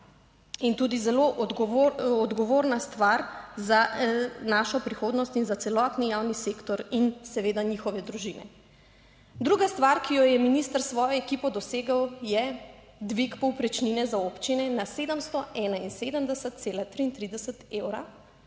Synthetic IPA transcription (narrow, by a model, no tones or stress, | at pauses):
int̪uːd̪izɛloʔ̪ɡɔd̪ɡɔʋoːɾnast̪ʋaɾzanaːʃɔpɾixod̪nɔst̪inzat̪sɛlɔːt̪nijawniseːkt̪ɔɾinsɛʋeːd̪aɲixɔʋɛd̪ɾuʒinɛ̰ | d̪ɾuɡast̪ʋaɾkijɔjɛminist̪əɾsʋɔːjɔɛkipɔd̪ɔseːɡəwjɛ | d̪ʋikpɔwpɾɛt͡ʃninɛzaoːpt͡ʃinɛnased̪əmst̪ɔɛːnainseːd̪əmd̪ɛsət̪̚t̪selat̪ɾiːnt̪ɾid̪ɛsət̪ewɾa̰